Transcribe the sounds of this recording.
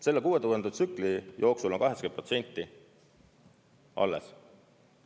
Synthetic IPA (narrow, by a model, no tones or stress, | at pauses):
se̞lːekuːet̪uend̪ut̪sykˑlijʔo̞ːksulo̞nkɑɦesɑkeprot̪se̞nʲt̪ˑːi | ʔɑ̰lːḛs